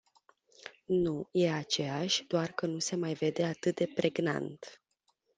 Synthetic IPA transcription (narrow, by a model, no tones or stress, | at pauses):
nuje̞at͡ʃe̞aʃʲd̪oarkənuse̞majve̞d̪e̞at̪ɨt̪̚d̪e̞pɾe̞ɡna̰nt̪